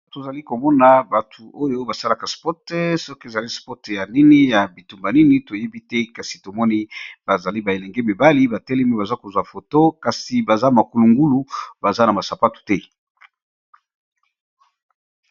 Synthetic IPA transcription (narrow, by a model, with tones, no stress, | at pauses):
to˨za˨li˦ko˨mɔ˦na˨ba˨tʰu˨ʔo˦jo˦ba˨sa˦la˨ka˨spɔ˦tɛ˦sɔ˦ke˨za˨li˦spɔ˦tja˨ni˦ni˦ja˨bi˨tu˨mba˨ni˦ni˨to˨je˦bi˦tɛ˦ka˨si˨to˨mɔ˦ni˦ba˨za˨li˦ba˨e˨lɛ˨ŋɡɛ˦bi˨ba˦li˦ba˨tɛ˦lɛ˦me˦ba˨za˦ko˨zwa˨fo˨to˦ka˨si˨ba˨za˦ma˨ku˨lu˨ŋɡu˦lu˨ba˨za˦na˨ma˨sa˨pa˦tu̥˨tɛ˦